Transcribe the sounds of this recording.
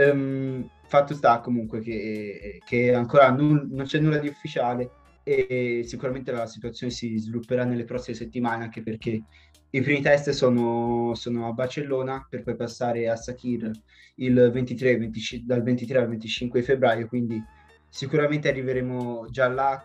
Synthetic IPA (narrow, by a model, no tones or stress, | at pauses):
ɛm | fat̪ːost̪akːomuŋkwekekʰeaŋkoːɾanunont͡ʃɛnːulːad̪iufːit͡ʃaːle | esikuɾament̪elasit̪uat̪sjonesizvilupːeɾanːelːepɾɔsːimeset̪ːimaːneaŋk̟eperk̟e | ipɾimit̪ɛst̪soːnosoːnoabːart͡ʃelːoːnaperpɔjpasːaːɾeasːakir | ilvent̪it̪ɾevent̪it͡ʃid̪alvent̪it̪ɾealvent̪it͡ʃiŋkwed̪ifebːɾaːjokwind̪i | sikuɾament̪earːiveɾeːmod͡ʒalːa